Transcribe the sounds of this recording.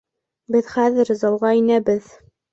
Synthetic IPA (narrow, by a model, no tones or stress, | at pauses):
bɘðχæðɘɾzɑlˠʁɑinæbɘð